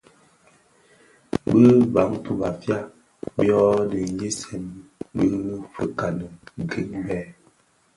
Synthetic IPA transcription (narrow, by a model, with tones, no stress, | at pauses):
bə˦ba˨˦ŋtu˦ba˨fja˦ | bjɔ˦də˨˦je˦sɛ˨mbə˦fə˨ka˨nə˨ɡi˦ŋbɛ˦